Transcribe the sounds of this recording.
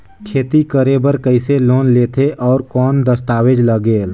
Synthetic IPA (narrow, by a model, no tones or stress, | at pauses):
kʰeːt̪ikəɾebəɾkəɪseloːnleːt̪ʰeʔɔːɾkɔːnd̪əst̪aːwed͡ʒləɡeːl